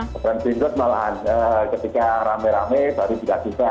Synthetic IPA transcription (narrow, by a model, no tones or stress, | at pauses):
pɾɛnsiŋɡʊt̪̚mala̰ɦanəkət̪ikaɾamɛɾamɛsaɾit̪idaʔkit̪a